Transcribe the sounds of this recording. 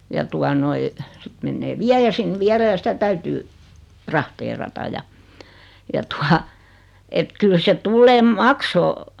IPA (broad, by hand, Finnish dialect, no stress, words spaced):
jɑ tuɑ noi sit menːeː ʋiæjæ sin ʋiælæ jɑ sitæ tæytyː trɑhteːrɑtɑ jɑ jɑ tuɑ et kyl se tulːeːm mɑksoː